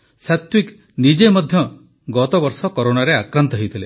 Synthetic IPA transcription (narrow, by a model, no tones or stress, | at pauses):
sat̪wik | nid͡ʒemɔd̪ʱjɔ | ɡɔt̪ɔbɔɾsɔkɔɾonaɾeakɾant̪ɔɦejt̪ʰile